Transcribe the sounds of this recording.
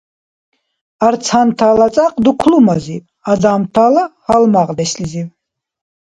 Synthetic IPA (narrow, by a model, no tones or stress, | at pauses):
aɾt͡sʰant̪ʰaːlat͡sʼaqʼd̪ukʷʰlumaziv | azamt̪ʰaːlahalmaʁd̪ɛsliziv